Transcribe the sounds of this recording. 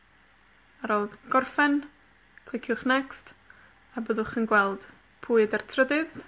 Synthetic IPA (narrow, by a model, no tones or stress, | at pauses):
aɾoːlˠdɡ̥ɔrfɛn | kʰlˠɪkʰjʊχnɛkst | abəðʊχənɡwɛlˠd̥ | pʰuːɨdartʰrədɨð